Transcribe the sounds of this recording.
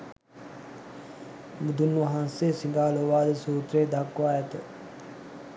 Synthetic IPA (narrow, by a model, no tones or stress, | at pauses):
mud̪unːʋɐɦanseːsiŋɡaːloʋaːd̪əsuːt̪ɾeːd̪akːʋaːjɛt̪ə